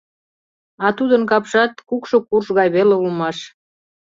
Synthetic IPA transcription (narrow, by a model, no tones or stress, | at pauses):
ɑt̪ud̪ənkɑpʃɑt̪̚kukʃokurʃɣɑjβeleulmɑʃ